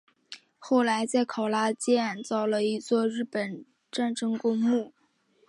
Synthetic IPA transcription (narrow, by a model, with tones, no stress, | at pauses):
xo˥˩ʊla˧˥ɪt͡sa˥˩ɪkʰɑ˨˩ʊla˥t͡ɕjɛ˥a˥˩nt͡sɑ˥˩ʊlə˨i˧˥t͡swɔ˥˧ɻɻ̩˥˩pə˨˩n | ʈ͡ʂa˥˩nʈ͡ʂɤ˥ŋkʊ˥ŋmu˥˩